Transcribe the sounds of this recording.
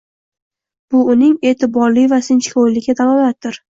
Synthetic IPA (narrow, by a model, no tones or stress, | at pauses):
b̥ʊʊnɪŋe̞ːt̪ʰɪbɒɾlɪvasɪnt͡ʃkʰowlɪad̪alˠɒlat̪̚d̪ɪɾ